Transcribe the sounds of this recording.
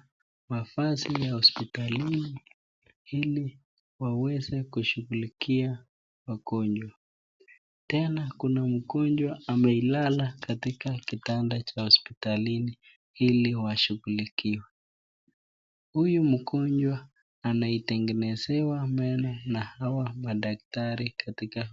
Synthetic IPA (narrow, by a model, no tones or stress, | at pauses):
mafasijahɔspitalini | ili | wawɛzɛkuʃuɣulikʰia | wakɔɲd͡ʒwa | tɛnakunam̩kɔɲd͡ʒwaamɛilalakatikakitandat͡ʃahɔspitalini | iliwaʃuɣulikiwɛ | hujum̩kɔɲd͡ʒwaː | naitɛŋɡɛnɛzɛwamɛnɔnahawamaɗaktaɾikʰatika